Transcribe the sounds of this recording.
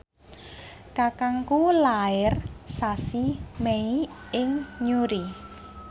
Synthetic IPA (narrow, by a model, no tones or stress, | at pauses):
kakaŋkulaɪrsasimeiɪŋɲuɾi